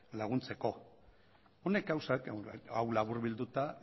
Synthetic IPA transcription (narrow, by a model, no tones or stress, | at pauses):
laɣ̞unt͡se̞ko̞ | one̞k̚ɡawsakawlaβuɾβild̪ut̪a